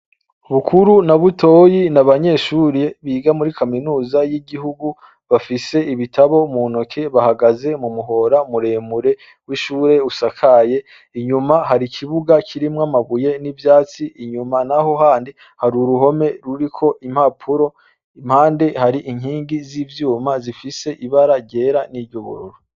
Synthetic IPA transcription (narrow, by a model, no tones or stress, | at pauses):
βukʰuɾunaβutʰo̞ːjinaβaɲe̞ʃuɾeβiːɡamuɾikaminuːzajiɡihuɡu | βafise̞iβitʰaβo̞munokʰe̞βahaɡaze̞mumuɦo̞ɾamuɾe̞ːmuɾe̞ | wiʃuːɾe̞usakʰaje̞ | iɲumaɦaɾikʰiβuɡakʰiɾimŋamaβuje̞nivjaːt͡siʔːɲumanaho̞ɦaːndi | haɾuɾuho̞me̞ɾuɾikʰo̞ʔim̥hapʰuɾo̞ | im̥haːnde̞haɾiʔiŋhiːŋɡizivjuːmazifise̞ʔiβaɾaɟe̞ːɾaniːɾɟoβṵɾṵɾo